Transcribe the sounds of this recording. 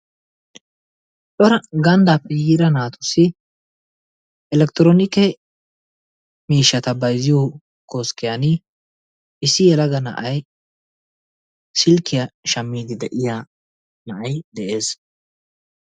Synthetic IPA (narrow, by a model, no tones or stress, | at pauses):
ɗɔɾɐɡɐnd̪aːpːɛjiːɾɐnaːt̪ʊ̥sːɪ | ɛlɛkt̪ɪɾoːnɪkːɛ | miːʃːɐt̪ɐbɐjzɪjo | ko̞ːskːɪjanɪ | ʔɪsːɪjɛlɐɡɐnɐ̰ʔɐj | sɪlkːɪjɐʃɐmːiːd̪ɪd̪ɛʔɪjaː | nɐʔɐjd̪ɛʔe̞ːs